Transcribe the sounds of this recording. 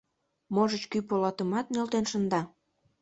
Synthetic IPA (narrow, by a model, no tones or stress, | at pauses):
moʒət͡ɕkypolɑt̪əmɑt̪̚nʲelt̪enʃənd̪ɑ